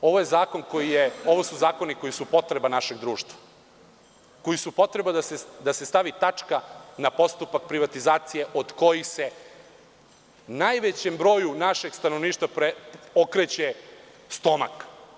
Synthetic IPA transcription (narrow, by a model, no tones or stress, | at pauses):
o̞ʋoje̞zaːko̞nko̞jijeo̞ʋo̞suzaːko̞niko̞jisupo̞t̪ɾe̞banaʃe̞ɡd̪ɾuːʃt̪ʋḁ | ko̞jisupo̞t̪ɾe̞bad̪ased̪ase̞st̪aʋit̪at͡ʂkanapo̞st̪upak̚pɾiʋat̪izaːt̪sije̞ʔod̪ko̞jixse̞ | najʋet͡ɕe̞mbɾo̞ːjunaʃe̞ɡst̪anoʋniːʃt̪ʋapɾeokɾet͡ɕe | st̪o̞ma̰k